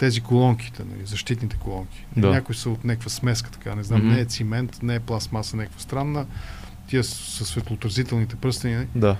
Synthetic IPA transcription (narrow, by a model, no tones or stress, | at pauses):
t̪ɛzikolˠɔŋki̥t̪ɛnɐ̰lizɐʃt̪it̪nit̪ɛ̥kolˠɔŋkʲi̥aɲakʊisəot̪nʲakvəsmɛs̬kə̥t̪ɐ̥kanɛznamnɛːt̪simɛnt̪nɛːplˠasmasənʲɛkəkvəst̪ɾanːə | t̪iəsəsvɛt̪lˠoːt̪ɾɐzit̪ɛlˠnit̪ɛpɾɤst̪əninəlid̪a